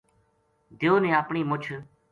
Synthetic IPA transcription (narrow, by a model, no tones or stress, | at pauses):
d̪eoːnẽːaːpɳiːmʊt͡ʃʰ